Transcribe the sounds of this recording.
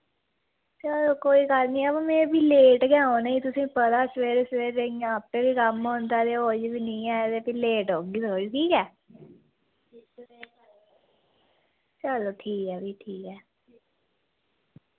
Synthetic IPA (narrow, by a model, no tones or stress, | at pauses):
t͡ʃəloːkoːiːɡəlnĩːɛbãːmẽːbiːleːʈɡjãːõneĩt̪ʊsĩːpəd̪aːsʋeːɾsʋeːɾeijãːpːeːbiːkəmɦõnd̪aːt̪eːoːd͡ʒbiːnĩːɛːt̪eːpiːleːʈoːɡiːt̪ʰoːɾiʈʰiːkɛː | t͡ʃəloːʈʰiːkɛːbiːʈʰiːkɛː